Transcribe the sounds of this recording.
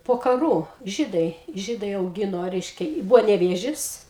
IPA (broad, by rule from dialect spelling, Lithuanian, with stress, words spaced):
poː kɐˈruː ˈʒʲiːdɐɪ ˈʒʲiːdɐɪ ɐʊˈɡʲɪnoː ˈrʲɛɪʃʲkʲɛ ˈbʊʋoː nʲɛˈʋʲeːʒʲɪs